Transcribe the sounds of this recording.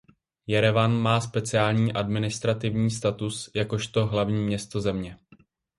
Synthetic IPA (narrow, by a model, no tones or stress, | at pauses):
jɛɾɛvanmaːspɛt͡sɪaːlɲiːʔadmɪnɪst̪ɾat̪ɪvɲiːst̪at̪usjako̞ʃt̪o̞ɦlavɲiːmɲɛst̪o̞zɛmɲɛ